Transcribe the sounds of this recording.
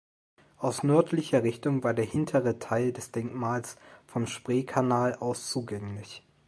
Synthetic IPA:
ʔaʊsnœɐtʰlɪçɐʁɪçtʊŋvaːɐdeːɐhɪntʰəʁətʰaɪldɛsd̥ɛŋkmaːlsfɔmʃpʁ̥eːkʰanaːlʔaʊst͡suːɡɛŋlɪç

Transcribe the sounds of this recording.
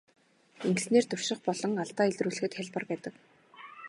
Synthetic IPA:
eŋkɘ̆sneːrt̪ɵr̥ʃɪ̆χpɔɮɞ̆ŋaɮt̪aːiɮt̪ruːɮɘ̆xɘ̆t̪xæɮʲpə̆rpæːt̪ə̆k

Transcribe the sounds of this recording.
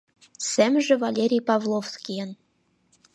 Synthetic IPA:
sæmʒĕvɑlʲeɾʲijpɑvlˠofskʲijən

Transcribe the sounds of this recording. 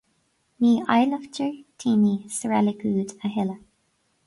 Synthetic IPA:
miːʔa̰jləftəɹtʰiːniːsəɹɛliɡuːdəɦɪlə

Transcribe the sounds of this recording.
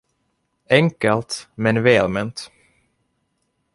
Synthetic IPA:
ɛŋkəlt̪mɛnvɛːlmɛnt̪

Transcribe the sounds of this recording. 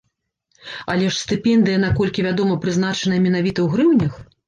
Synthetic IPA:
alʲɛʂsʲt̪ɨpʲɛnd̪ɨjɐnakɔlʲkʲivʲad̪ɔmɐpɾɨznat͡ʂɐnɐjɐmʲɛn̪avʲit̪ɐwɣɾɨwnʲɐx

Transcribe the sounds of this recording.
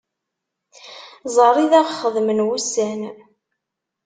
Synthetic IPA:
zˤɑrˤiðæʁχəðmənwusæn

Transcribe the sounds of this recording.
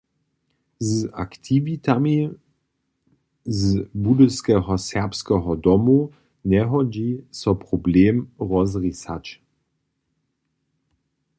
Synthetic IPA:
za̰kt̪ʰivit̪ami | zbudəskɛɦɔsɛʁpskɛɦɔd̪ɔmu | nɛɦɔd͡ʑisɔpʁɔbleːmʁɔzʁisat͡ʃ

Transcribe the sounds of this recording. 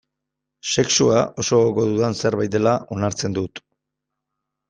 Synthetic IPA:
se̞ksuaʔo̞so̞ɣoðuðanseɾβajt̪e̞laʔo̞naɾt͡se̞nd̪ut̪

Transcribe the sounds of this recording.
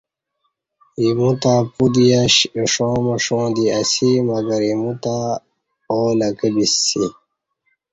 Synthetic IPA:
imũt̪apud̪ijaɕʂõːmɐʂõːd̪iɐsimɐɡɐɾimut̪a | oːlɐkəbisːi

